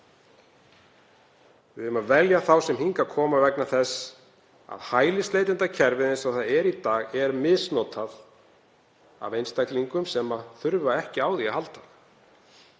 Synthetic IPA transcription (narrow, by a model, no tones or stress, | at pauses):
vɪðʏmaðvɛljaθawsɛmɦiŋkakʰɔːmavɛknaθɛsː | a̰ðhaːjlɪslejt̪ɪnt̪acʰɛɾvɪðɪnsawθaðɛɾit̪aːɣɛɾmɪðsnɔːt̪ʰað | a̰vejnst̪ajkliŋkʏmsɛmaθʏɾvaɛhcɪaːwðiaɦalt̪a